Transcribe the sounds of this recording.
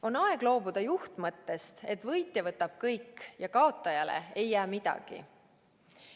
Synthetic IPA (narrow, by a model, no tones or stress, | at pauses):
o̞nɑe̞ɡ̥lo̞ːbud̪̥ɑjuht̪mɤt̪ːe̞st̪e̞t̪ːvɤjt̪ʲˑjevɤt̪ːˑɑb̥̚kɤjkːjɑkɑo̞t̪ˑːɑjɑlḛe̞jːæːmid̪̥ɑ̰ɡ̥ḭ